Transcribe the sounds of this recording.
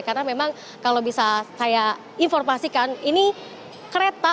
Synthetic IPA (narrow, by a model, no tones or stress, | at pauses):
karənamemaŋ | kalobisasaja | infɔrmasikanini | kəɾet̪a